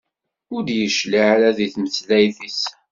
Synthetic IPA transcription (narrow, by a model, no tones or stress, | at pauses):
ʊɾd̪jəʃliʕaɾæðiθməθlæjθis